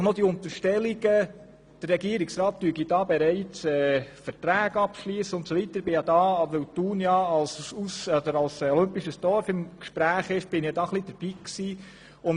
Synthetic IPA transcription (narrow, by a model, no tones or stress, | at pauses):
χnod̥iʊnt̪əʃtɛliɡə | d̥ərːɛɡiəɾiksɾɑːt̚dyəɡidɑːbɛɾɛɪt͡sɛːfəɾtɾæːɡɑpʃliːsəʊntsovitəɾb̥ɪjɑd̪ɑːʋəwtuːnjɑɑlsusɔd̪əɾɑlsɔlʏmpiʃəsd̥ɔɾfɪmkʃpɾæːχɪʃb̥ɪnijɑd̥ɑːχlid̥əɾb̥iːksiː | ʊn